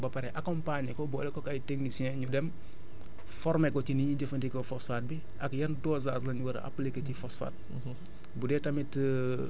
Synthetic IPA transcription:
bɐpaɾɛʔakɔ̃mpaɲəkɔbɔːlɛkɔkajteŋɡisiɛ̃ɲudɛm | fɔɾmekɔciniɲiɟɐfɐntikɔfosfaːt̚bi | ʔɐkjɐndɔːzaːslɐɲuwɐɾ̰ʔa̰plikːɐtifosfa̰ːt̚ | budɛtɐmitː

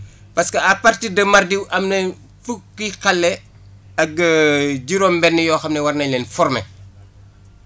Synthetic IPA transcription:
pɐskɐɐpartidɐmɐrdiwʔɐmne | fukːikɐlːɛ | ɐɡɐɟiɾɔːmbɛnːɛjɔːxɐmnɛwɐrnɐlɛːnfɔrmɛ̰

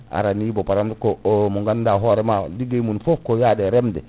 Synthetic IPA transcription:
a̰ɾanibopaɾamdkoomuŋɡandaɦoɾɛmadiɡemunfop̚kojadeɾemdɛ

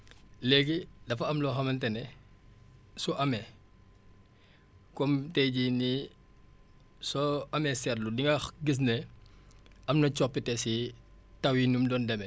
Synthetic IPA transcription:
lɛːɡidɐfɐɐmlɔxɐmɐntɛnɛ | sɔʔɐmɛ | kɔmtɛɟini | sɔɐmɛsɛrludiŋɡɐɡis̬nɛ | ɐmnɐt͡ʃɔpːitɛsi | tɐwinumdɔndɛmɛ

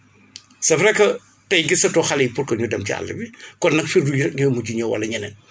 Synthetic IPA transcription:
sɐfɾɛkːɐ | tɐjɡisɐtɔxɐlijpuɾkɐɲudɐmcia̰lːɐ̰bikɔnːɐkfirdujiɾɛk̚ɲumuɟuɲɐwɐ̰lːɐɲɐnɐn

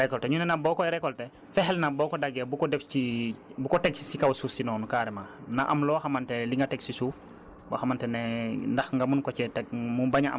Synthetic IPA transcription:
ɾɛkɔltɛɲunɛnabɔːkɔɾɛkɔltɛ | fɛɦɛlnabɔːkɔdaɡɛbukɔdɛfcibukɔtɛk̚sikawsuːfsinɔːnukaɾɛmanaʔɐmlɔːxamantɛliŋɡatɛksisuːf | bɔxamantɛnɛndɐxŋɡamunkɔcɛtɛk̚mubaɲaa̰

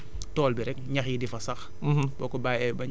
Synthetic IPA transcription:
tɔːlbiɾɛk̚ɲɐxidifɐsɐx | b̥ɔːkɔbaɛbɐɲ

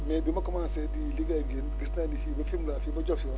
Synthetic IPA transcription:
mɛbimɐkɔmãnsɛdiliɡaɡinɡistadifibɐfimlafibɐd͡ʒɔsɔ

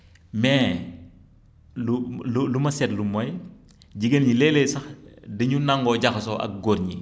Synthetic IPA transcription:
mɛː | lululumɐsɛtlumɔj | ɟiɡənɲilɛlesɐxdɐɲunaŋɡɔɟɐxsɔ̰ʔɐ̰k̚ɡoːɾɲi

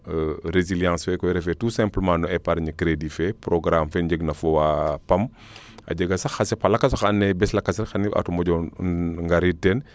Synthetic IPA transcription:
ɾeziljãːsfɛkɔjɾɛfɛtusɛ̃mpləmãːnɔɛpaɾɲikɾedifɛpɾɔɡɾamfɛnɟəɡnɐfɔwapɐm | ɐ̰ɟəɡɐsɐxɐsɛpɐlɐkːas̬xanːɛbɛslɐkːasɛɾxɐniʔa̰tumɔɟɔŋɡaɾitɛn

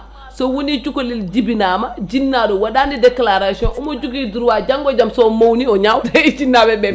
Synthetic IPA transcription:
sɔwunid͡ʒukolild͡ʒibinaːmad͡ʒinːaɗɔwaɗanidɛklaɾasiɔnʔɔmɔd͡ʒuɡidiɾwad͡ʒaŋɡɔd͡ʒamsɔmowniɔɲawtaid͡ʒinːabɛbɛ

